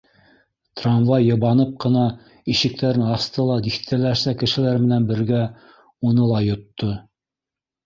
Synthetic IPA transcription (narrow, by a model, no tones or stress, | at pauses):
t̪ramvɑjːɤ̆βɑnɤp̚qɤ̆nɑ | iʃɘ̆k̚t̪æɾɘnɑst̪ɤlˠɑd̪ixt̪ʰælæʃsækɘ̆ʃɘ̆læɾmɘ̆nænbɘ̆ɾɡæ | unɤlˠɑjŏt̪ːo